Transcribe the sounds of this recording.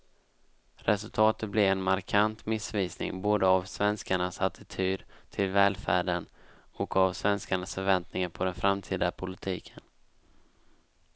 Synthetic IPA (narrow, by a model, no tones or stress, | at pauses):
ɾɛsɵlt̪ʰɑːt̪ət̪̚blɛɛnmaɾkʰant̪mɪsviːsnɪ̰ŋboːd̪əavsvɛnskaɳasat̪ʰɪt̪ʰyːd̪t̪ʰɪlvɛːlfæ̰ːɖən | ɔkavsvɛnskaɳasfœɾvɛnt̪nɪŋaɾpʰɔd̪ɛnfɾamt̪ʰiːd̪apʰʊlɪt̪ʰiːkʰən